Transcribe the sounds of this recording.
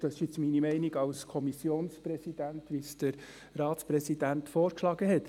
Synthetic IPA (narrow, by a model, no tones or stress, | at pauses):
d̥ɑsɪʃɪt͡sminimɛɪniɡɑlskʰɔmisjoːnspɾɛsid̥ænt̪ʋisd̥əɾ | rɑːt̪spɾɛsidænt̪fɔːɾkʃlɑːɡəɦɛt̪